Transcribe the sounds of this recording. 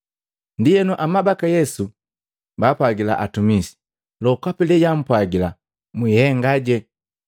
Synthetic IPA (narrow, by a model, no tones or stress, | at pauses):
ndijɛnuʔamabakajɛsu | baːpwaɡila̰ʔatumisi̥ | lɔkwapɛlɛjam̩pwaɡila | mwihɛŋɡaɟɛ